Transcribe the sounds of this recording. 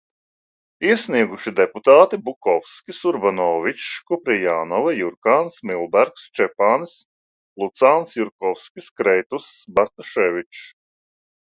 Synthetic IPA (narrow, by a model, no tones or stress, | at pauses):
isniɛɡuʃid̪eput̪aːt̪ibukɔwskʲisuɾbanɔːvit͡ʃkupɾijaːnɔvɛjuɾkaːnsmilˠbæɾkst͡ʃɛpaːns | lˠut̪saːnsjuɾkɔwskʲiskɾɛjt̪usbaɾt̪ɔʃɛvʲit͡ʃ